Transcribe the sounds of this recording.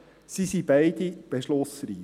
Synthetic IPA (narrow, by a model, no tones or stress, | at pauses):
sisibæɪd̪ib̥eʃlosɾi